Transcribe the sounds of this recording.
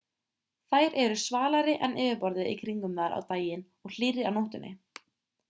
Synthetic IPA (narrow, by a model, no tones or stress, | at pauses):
θajɾʔɛɾʏsvaːlaɾɪʔɛnʔɪːvɪpɔɾðɪḭkʰɾiŋkʏmnaɾa̰wt̪aːjɪn | ɔɣl̥iɾɪawnowht̪ʏnʔɪ̰